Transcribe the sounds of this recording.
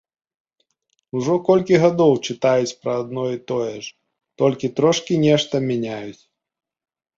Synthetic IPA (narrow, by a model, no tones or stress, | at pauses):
uʐɔkɔlʲkʲiɣad̪ɔwt͡ʂɨt̪ajut͡sʲpɾɐːd̪̚nɔit̪ɔjɛʐ | t̪ɔlʲkʲit̪ɾɔʂkʲinʲɛʂt̪ɐmʲanʲajut͡sʲ